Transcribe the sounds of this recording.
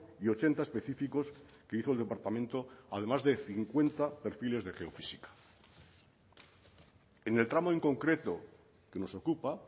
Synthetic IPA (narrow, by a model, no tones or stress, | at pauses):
io̞t͡ʃe̞nt̪aespe̞θifiko̞ske̞iθold̪e̞paɾt̪amẽ̞nt̪o̞að̞e̞mazðe̞θiŋkwe̞nt̪ape̞ɾfile̞zðe̞χe̞o̞fisikḁ | ene̞lt̪ɾamoiŋko̞ŋkɾe̞t̪o̞ | ke̞no̞so̞kupa